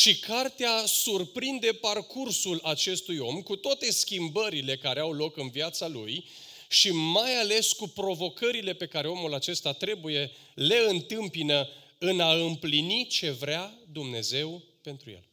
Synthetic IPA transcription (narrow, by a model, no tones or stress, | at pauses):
ʃikʰart̪easurpɾind̪e̞parkursulat͡ʃe̞st̪ujo̞mkut̪oat̪e̞skʲimbəɾile̞kaɾe̞awlo̞kɨnviat̪salṵj | ʃimajale̞skupɾo̞vo̞kəɾile̞pe̞kaɾe̞o̞mulat͡ʃe̞st̪at̪ɾe̞buje̞ | le̞ɨnt̪ɨmpinə | ɨnaɨmplinit͡ʃe̞vɾead̪umne̞ze̞w | pe̞nt̪ɾujḛl